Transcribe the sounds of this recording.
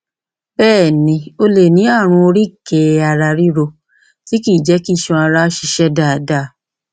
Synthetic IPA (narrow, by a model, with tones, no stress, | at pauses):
bɛː˦˨nĩ˧o˧le˨nĩ˨˦a˦˨ɾ̃ũ˧o˧ɾi˦ke˨a˧ɾa˧ɾi˦ɾo˧ | ti˨˦ki˦˨d͡ʒɛ˨˦ki˦˨ʃũ˧a˧ɾa˧˦ʃi˧ʃɛ˦da˦˨da˦˨˦